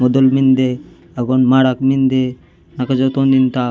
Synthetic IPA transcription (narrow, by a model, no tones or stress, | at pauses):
mɔd̪olmind̪e | aɡonmaɽakmind̪e | nakad͡ʒot̪ond̪int̪a